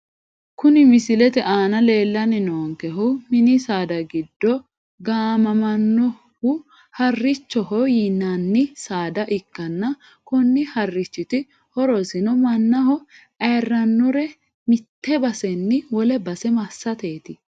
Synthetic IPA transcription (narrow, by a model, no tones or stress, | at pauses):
kʊnɪmɪsɪlɛt̪ɛʔaːnɐle̞ːlːɐnɪnoːŋkɛɦʊmɪnɪsaːd̪ɐɡɪd̪ːɔ | ɡaːmɐmɐnːɔ | hʊ | hɐrːɪt͡ʃːɔɦɔjinːɐnːɪsaːd̪ɐʔɪkːɐnːɐ | kʊnːɪhɐrːɪt͡ʃːɪt̪ɪ | hɔɾɔsɪnɔmɐnːɐhɔ | ɐrːɐnːʊɾɛ | mɪt̪ːɛbɐsɛnːɪwɔlɛbɐsɛmɐsːɐt̪eːt̪ɪ